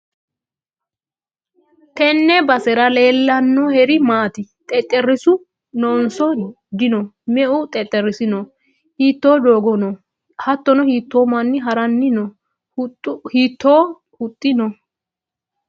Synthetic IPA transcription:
t̪ɛnːɛbɐsɛɾɐle̞ːlːɐnːɔhɛɾɪmaːt̪ɪt̪ʼɛt̪ʼːɛrɪsʊ | noːnsɔ | d̪ɪnɔmɛʔʊt̪ʼɛt̪ʼːɛrːɪsɪnɔ | hiːt̪ːo̞ːd̪o̞ːɡɔnɔ | hɐt̪ːɔnɔhiːt̪ːoːmɐnːɪɦɐɾɐnːɪnɔ | hiːt̪ːoː | hʊt̪ʼːɪnɔ

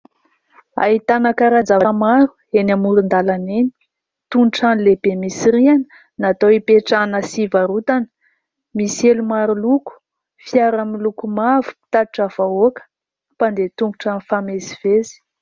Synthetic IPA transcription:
a̰ɦit̪anakaɾand͡zavamaɾuenamuɾund̪alaneni̥ | t̪unuʈ͡ʂanileb̥emisiɾianə̥ | nat̪oipeʈ͡ʂanəsivaɾut̪anə̥ | miselumaɾuluku̥ | fjaɾamilukumavu̥pi̥t̪ad̪iʈ͡ʂav̥aokə̥ | pand̪et̪uŋɡuʈ͡ʂanifameziv̥ezi̥

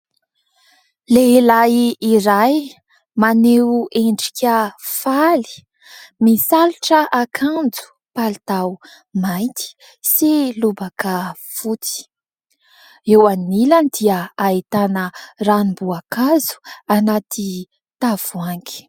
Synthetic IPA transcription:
leilajiiɾaj | maneweɳɖ͡ʐi̥kʰʲəfali̥ | misaliʈ͡ʂəʔakʰand͡zu̥ | palit̪au | majnt̪ʰi̥ | silubakə | fut͡si̥ | ewanilənd̪iəait̪anəranimbuakazu̥anat̪i | t̪av̥uaŋɡi̥

